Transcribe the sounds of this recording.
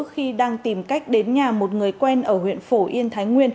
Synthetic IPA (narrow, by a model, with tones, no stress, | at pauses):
ək̚xi˧ɗaː˧ŋt̪i˨˧˩mka˦˥jk̟̚ɗe˨˦nɲaː˨˩mo˨˩t̚ŋɨ˨˩əjkwɛ˧nʔəː˧˩hwḭ˧˨ənfo˧˩ʔi˧ənt̪ʰaː˨˦jŋwi˧ən